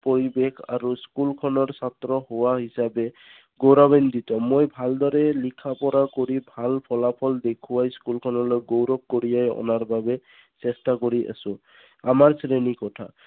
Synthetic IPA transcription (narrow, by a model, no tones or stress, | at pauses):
poɹibekʰa̰ɾuskulkʰɔnɔɹsat̪ɾɔhowaɦisabe | ɡowɾabend̪it̪ɔ̃mːojbʱald̪ɔɾɛlikʰapɔɾakoɾibʱalpʰɔlapʰɔld̪ekʰuwajskulkʰɔnɔlɔjɡowɾɔk̚koɾijajɔ̰naɹbabe | sestakoɾiʔa̰sʊ̃ | amaɹsɾenikɔtʰa̰